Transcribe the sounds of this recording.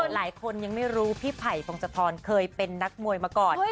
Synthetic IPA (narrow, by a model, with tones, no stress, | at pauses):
laː˩˦jkʰo˧nja˧ŋma˥˩jɾuː˦˥pʰi˦˥pʰa˨˩jpʰo˧ŋsa˧t̪ʰɔː˧nkʰɤː˧jpe˧nːa˦˥k̚mu˧əjmaː˧kɔː˨˩n